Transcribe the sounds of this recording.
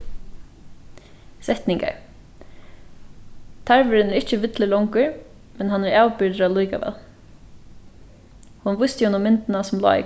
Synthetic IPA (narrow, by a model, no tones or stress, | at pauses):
sɛht̪nɪŋka̰ɹ | t̪ʰaɹvʏɾɪnɛɹɪt͡ʃəʋɪt̪lɪlɔŋkəɹ | mɛnɦanːɛɹaːwpɪɹt̪əɾawlujka̰ʋɛ̰ːl | hʊnʋʊjst̪jʊnʊmɪnt̪ɪnasʊmlɔ̰ːɪ̰